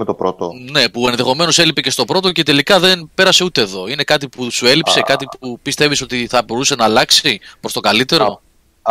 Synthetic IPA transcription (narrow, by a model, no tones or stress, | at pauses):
et̪opɾot̪o̰ne̞pue̞nðe̞xo̞me̞no̞se̞lipece̞st̪o̞pɾo̞t̪oce̞t̪e̞likɐðe̞npe̞ɾɐse̞ut̪e̞ːðo̞ine̞kɐt̪̬ipusue̞lipse̞kɐt̪ipupist̪e̞viso̞t̪iθɐbo̞ɾuse̞nɐːlɐksipɾo̞st̪o̞kɐlit̪e̞ɾo̞